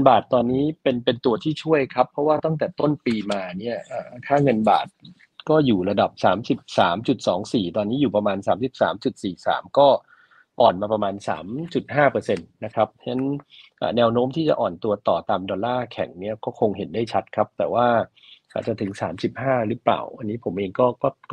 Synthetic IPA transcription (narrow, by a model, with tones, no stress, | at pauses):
ŋ˧nbaː˨˩t̪ːɔː˧nːiː˦˥pe˧npe˧nt̪u˧ɐt̪ʰiː˥˩t͡ɕʰu˥˩əjkʰa˦˥pʰɾɔ˦˥waː˥˩t̪a˥˩ŋt̪ɛː˨˩t̪o˥˩npiː˧maː˧ni˥˩ɐʔaː˨˩kʰaː˥˩ŋɤ˧nba̰ː˨˩t̪̚ | kɔː˥˩juː˨˩ɾa˧da˨˩p̚saː˩˦msi˨˩p̚saː˩˦mt͡ɕu˨˩t̪̚sɔː˩˦ŋsiː˨˩t̪ɔː˧nːiː˦˥juː˨˩pɾa˧maː˧nsaː˩˦msi˨˩p̚sa̰ː˩˦mt͡ɕu˨˩t̪̚siː˨˩sa̰ː˩˦mkɔː˥˩ | ʔɔː˨˩nmaː˧pɾa˧maː˧nsa̰ː˩˦mt͡ɕu˨˩t̪̚haː˥˩pɤː˧se˧nːa˦˥kʰa˦˥p̚t͡ɕʰa˦˥nʔa̰ː˨˩nɛː˧wnoː˦˥mt̪ʰiː˥˩t͡ɕa̰˨ʔɔː˨˩nt̪u˧ɐt̪ɔː˨˩t̪aː˧mdɔː˧nlaː˥˩kʰɛ̰˨˩˦ŋni˥˩ɐkɔː˥˩kʰo˧ŋɦe˩˦ndaː˥˩jt͡ɕʰa˦˥t̪̚kʰa˦˥p̚t̪ɛː˨˩waː˥˩ | ʔa̰ː˨˩t͡ɕa˨˩t̪ʰɯ˩˦ŋsa̰ː˩˦msi˨˩p̚haː˥˩ɾɯː˦˥pla̰ː˨˩wʔa˧nːiː˦˥pʰo˩˦mʔeː˧ŋkɔː˥˩kɔː˥˩